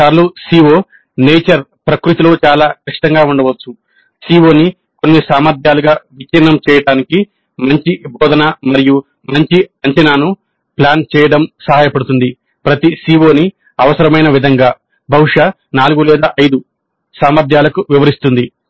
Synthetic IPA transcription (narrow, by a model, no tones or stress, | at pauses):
aːɾlusiːʋo̞ː | neːt͡ʃɐɾpɾɐkɾut̪ilo̞ːt͡ʃaːlaːkɐʂi̥t̪ɐŋɡaːuɳɖɐʋɐt͡ʃːu | siːʋo̞ːni | ko̞nːisaːmɐɾd̪ʱjaːluɡaːʋit͡ʃːinːɐmt͡ʃɛːjɐɽaːniki | mɐɲt͡ʃibʱɔːd̪ʱɐnamɐɾiju | mɐɲt͡ʃiɐɲt͡ʃɐnaːnu | plaːnt͡ʃɛːjɐɽɐmsɐɦaːjɐpɐɽut̪und̪i | pɾɐt̪isiːʋo̞ːni | ɐʋɐsɐɾɐmɐjnɐʋid̪ʱɐŋɡaː | bʱɐwuʂa | naːluɡulɛːd̪aːʔɐjd̪u | saːmɐɾd̪ʱjaːlɐkuʋiʋɐɾist̪und̪i